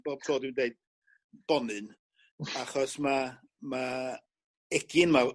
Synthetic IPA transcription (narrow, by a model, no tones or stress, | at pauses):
b̥oːb̥̚tʰoːdɪndeɨd̚ | b̥ɔnɨn | aχɔsma | ma | ɛɡɪnma